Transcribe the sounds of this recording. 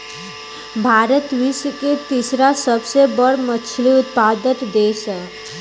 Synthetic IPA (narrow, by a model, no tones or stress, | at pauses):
bʱaɾət̪ʋisəket̪isɾasəbsebəɽmət͡ʃʰliut̪̚pad̪ət̪d̪esə